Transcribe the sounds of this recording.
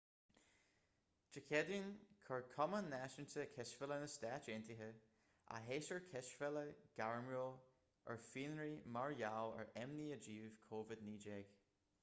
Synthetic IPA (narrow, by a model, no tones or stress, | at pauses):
d͡ʒəkʰɛdinkʰəɹkʰɔmənːaʃənt̪ʰəkʰɛsfələnəstaːt͡ʃeːnt̪iɦə | ʔa̰ɦeːʃəɹkʰɛʃfɛləɡ̥aɹmo | ʔə̰ɹfiːnɹimaɹjawə̰ɹʔɛmniəd͡ʒiːv̥kʰoːvɪdniːd͡ʒɛːɡ̥